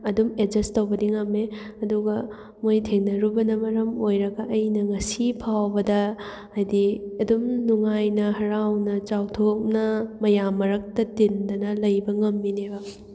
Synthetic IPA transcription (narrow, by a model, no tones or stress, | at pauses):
ɐdumed͡ʒɐstɐwbɐdiŋɐmeɐduɡɐ | mojtʰeŋnɐɾubɐnɐmɐɾɐmojɾɐɡɐʔɐjnɐŋɐsipʰawbɐdɐː | jdiɐdumnuŋajnɐɦɐɾawnɐt͡ʃawtʰok̚nɐmɐjamːɐɾɐk̚tɐtindɐnɐlɐjbɐŋɐmːinebɐ